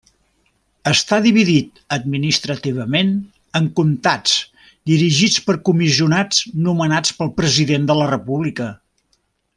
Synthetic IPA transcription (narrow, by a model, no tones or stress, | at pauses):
əst̪aðiβiðit̪ | əd̪̚minist̪ɾət̪iβ̞əmen | əŋkunt̪at͡s | d̪iɾiʒit͡spəɾkumiziunad͡znumənat͡spəlˠpɾəziðend̪ələrəpuβlikə